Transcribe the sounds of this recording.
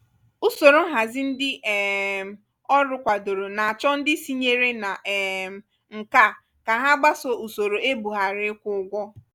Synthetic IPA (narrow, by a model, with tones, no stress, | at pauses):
ʊ˦so˨ɾo˨˦ɦa˨zɪ˦n̩˦dɪ˦ʔɛ˨ | ɔ˦ɾʊ˦kʷa˨do˨ɾo˨na˨a˨t͡ʃɔ˦n̩˦dɪ˦si˦ɲe˦ɾe˦na˨ʔ | ŋ̩˨ka˦ | ka˨ɦa˦ɡ͡ba˦sɔ˦u˨so˨ɾo˨e˦bu˨ɦa˨ɾɪ˨˦kʷʊ˦ɡʷɔ˦